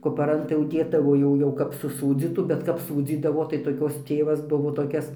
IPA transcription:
kʊpɐˈrɐn tɐɪ jɛʊ ˈdʲeːdɐʋoː jɛʊ ˈjɛʊ kɐp sʊˈsuːd͡zʲiːtuː bʲɛt ˈkɐp ˈsuːd͡zʲiːdɐʋoː tɐɪ toːˈkʲoːs ˈtʲeːʋɐs ˈbʊʋoː toːˈkʲɛs

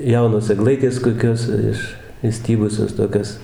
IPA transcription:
ˈjɛʊnoːs ɛɡˈlˠɐɪtʲeːs koːˈkʲoːs ˈɪʃ ɪʃʲˈsʲtʲiːbʊsʲoːs toːˈkʲoːs

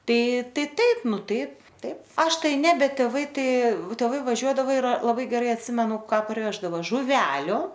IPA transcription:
ˈtɐɪ ˈtɐɪ ˈtɐɪp ˈnʊ ˈtɐɪp ˈtɐɪp ˈɐʃ ˈtɐɪ ˈnʲɛ ˈbʲɛt tʲeːˈʋɐɪ ˈtɐɪ tʲeːˈʋɐɪ ʋɐˈʒʲuɔdɐʋɐ ɪr lˠɐˈbɐɪ ɡʲɛˈrɐɪ ɐtʲˈsʲɪmʲɛnʊ ˈkɑː pɐrʲˈʋʲæːʒdɐʋoː ʒʊˈʋʲæːlʲʊ

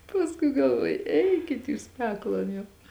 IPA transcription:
pɐsˈkʊɪ ɡɐlˠˈʋuɔjʊ ˈɛɪkʲɪt ˈjuːs ˈpʲæːklˠoːn jɛʊ

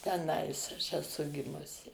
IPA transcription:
tʲɛˈnɐɪs ɐʃ ɛˈsʊ ˈɡʲɪmʊsʲɪ

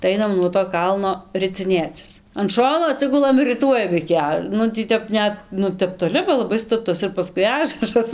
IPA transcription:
tɐɪ ˈɐɪnɐm nuɔ toː ˈkɐlˠnoː rʲɪt͡sʲɪˈnʲeːt͡sʲɪs ɐn ˈʃoːnoː ɐˈtʲsʲɪɡʊlˠɐm ɪr rʲɪˈtuɔjɛm ɪkʲɪ ˈɐ ˈnʊ tʲiː ˈtʲɛp ˈnʲɛt ˈnʊ ˈtʲɛp toːˈlʲɪ bɐ lˠɐˈbɐɪ stɐˈtʊs ɪr pɐˈskʊɪ ˈɑːʒɐrɐs

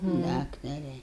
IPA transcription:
ˈdɑːktɐrʲɛ

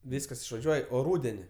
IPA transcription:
ˈʋʲiːskɐs ɪʃʋɐˈʒʲuɔj oː ˈruːdʲɛnʲɪ

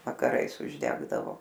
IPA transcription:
ʋɐkɐˈrɐɪs ʊʒʲˈdʲæːɡdɐʋoː

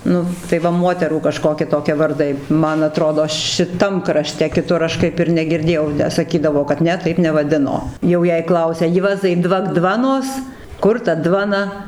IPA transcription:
ˈnʊ tɐɪ ʋɐ ˈmuɔtʲɛruː kɐˈʃkoːkʲɪ ˈtoːkʲiɛ ʋɐrˈdɐɪ ˈmɐn ɐˈtroːdoː ʃʲɪˈtɐm krɐˈʃʲtʲɛ kʲɪˈtʊr ɐʃ ˈkɐɪp ɪr nʲɛɡʲɪrʲˈdʲeːjɛʊ tʲæː sɐˈkʲiːdɐʋoː kɐt ˈnʲɛ ˈtɐɪp nʲɛʋɐˈdʲɪnoː ˈjɛʊ jɛɪ ˈklˠɐʊsʲɛ ˈjuɔzɐɪ ˈdʋɐk ˈdʋɑːnoːs ˈkʊr tɐ ˈdʋɑːnɐ

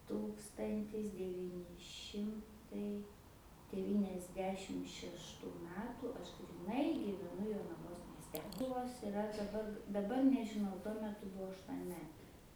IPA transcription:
ˈtuːkstɐnʲtʲɪs dʲɛˈʋʲiːnʲɪ ˈʃʲɪmtɐɪ dʲɛʋʲiːnʲɛzʲˈdʲæːʃʲɪm ʃʲɛʃˈtuː ˈmʲæːtuː ˈɐʃ ɡrʲiːˈnɐɪ ɡʲiːʋʲɛˈnʊ joːnɐˈʋoːs mʲiɛsʲˈtʲɛ ˈkʊlˠʋoːs ɪˈrɐ dɐˈbɐr dɐˈbɐr nʲɛʒʲɪˈnɐʊ tuɔ mʲɛˈtʊ ˈbʊʋoː ɐʃtuɔnʲˈmʲæːtʲeː

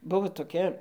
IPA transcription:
ˈbʊʋoː toːˈkʲɛ

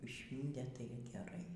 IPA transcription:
ˈʃʲʋʲiːnʲtʲeː ˈtɐɪ ɡʲɛˈrɐɪ

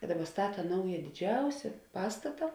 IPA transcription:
ɪ ˈdɑːˌbɐ ˈstɑːtɐ ˈnɐʊjɛ dʲɪˈd͡ʒʲɛʊsʲɛ ˈpɑːstɐtɐ

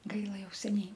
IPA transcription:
ˈɡɐɪlˠɐ ˈjɛʊ sʲɛˈnʲɛɪ

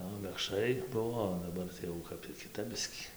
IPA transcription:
oː mʲɛkʃˈrɐɪ ˈbʊʋoː oː dɐˈbɐr jɛʊ ˈkɐp tʲiː kʲɪˈtɐp ˈbʲɪsʲkʲiː

